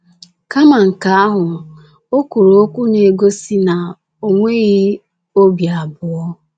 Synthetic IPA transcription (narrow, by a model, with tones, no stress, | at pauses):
ka˦ma˨ŋ̩˨ka˨˦a˦ɦʊ˨ | o˦ku˨ɾo˨o˦kʷu˦ne˨ɡo˦si˦na˨ | o˨ŋʷe˦ɣɪ˦ | o˦bja˨bʊ˨˦ɔ˦